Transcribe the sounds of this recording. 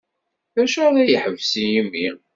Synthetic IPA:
ðæʃəɾæjəħəvsijimːi

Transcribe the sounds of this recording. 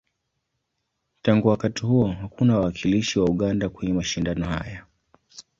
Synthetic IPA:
taŋɡuwakatihuɔɦakunawaːkʰiliʃiwauɠandakwɛɲɛmaʃindanɔha̰ja

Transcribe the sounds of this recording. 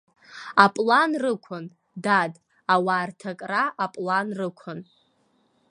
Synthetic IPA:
apʼlanrɨkʷʰʊn | dad | awaːrtʰakʼraʔapʼlanrɨkʷʰʊn

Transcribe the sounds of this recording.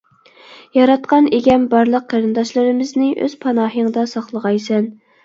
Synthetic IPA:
jɑɾɑt̪̚qʰɑneɡʲɛmbɑɾlˠəqʰːæɾɨnd̪ɑʃlˠɨɾɨmɪznɪʔø̰z̥pʰɑnɑːɦəŋd̪ɑsɑχlˠəʁɑjsɛn

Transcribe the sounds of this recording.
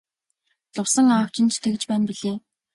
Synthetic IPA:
t͡sʊwsə̆ŋaːw̥t͡ɕʰɪ̆nt͡ɕt̪ʰekɘ̆t͡ɕpæːnpiɮeː

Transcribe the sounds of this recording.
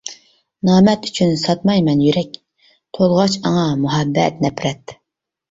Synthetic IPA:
nɑːmɛt̪y̥t͡ʃʰynsɑt̪mɑjmɛnjyɾɛkʲ | t̪ʰolˠʁɑt͡ʃɑŋɑmuɦɛbːɛ̰t̪nɛpɾɛt̪

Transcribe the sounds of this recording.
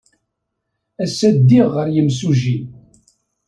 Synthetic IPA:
æsːæd̪ːiʁːəɾjəmsuʒi

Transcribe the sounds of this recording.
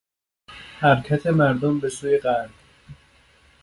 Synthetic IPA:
hæɾkʰæt̪ʰe̞mæɾd̪ombe̞suːjeɢæɾd

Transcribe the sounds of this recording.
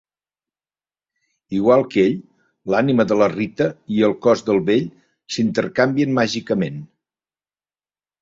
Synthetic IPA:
iɣwalˠkeʎ | laniməðələrit̪əiəlˠkɔzðəlˠβeʎ | sint̪əɾkambiənmaʒikəmen

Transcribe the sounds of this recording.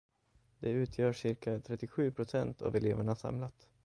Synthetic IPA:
d̪̥ɛʉ̟ːt̪ʰjœːʂɪɾkat̪ʰɾɛt̪ːɪɧʉ̟ːpʰɾʊsɛnt̪ʰa̰vɛleːvəɳasa̰mlat̪

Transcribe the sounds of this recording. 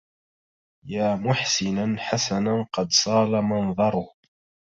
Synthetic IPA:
jaːmʊħsɪnanħasananqɑd̪sˤɑːlamɑnðˤɑɾˤʊh

